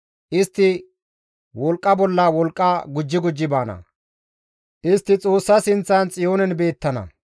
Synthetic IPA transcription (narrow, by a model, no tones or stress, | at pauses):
ʔɪst̪ːɪ | wɔlkʼːɐbɔlːɐwɔlkʼːɐɡʊd͡ʒːɪɡʊd͡ʒːɪbaːnɐ̰ | ʔɪst̪ːɪt͡sʼo̞ːsːɐsɪnt͡sːɐnt͡sʼɪjo̞ːnɛnbe̞ːt̪ːɐnɐ̰